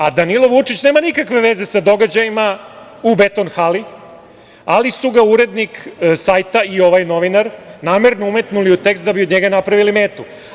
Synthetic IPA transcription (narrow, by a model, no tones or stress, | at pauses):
ad̪anilˠo̞ʋut͡ʂit͡ɕneːmanikakʋe̞ʋe̞ze̞sad̪o̞ɡad͡ʑajima | ube̞t̪onxali | alisuɡauɾe̞d̪niksajt̪aio̞ʋajno̞ʋinaɾnaːme̞ɾnoume̞t̪nuliut̪e̞kst̪d̪abiod̪ɲe̞ɡanapɾaʋilime̞ːt̪u